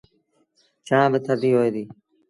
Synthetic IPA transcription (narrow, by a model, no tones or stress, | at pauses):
t͡ʃãːʋɪt̪ʰəɖ̪iːɦoːeːd̪iː